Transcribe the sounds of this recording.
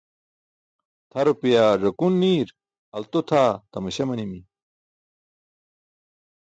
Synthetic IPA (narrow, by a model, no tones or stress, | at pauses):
t̪ʰɐɾopijaʐɐkunːiːɾ | ɐlt̪ot̪ʰaːt̪ɐmɐɕɐmɐnimi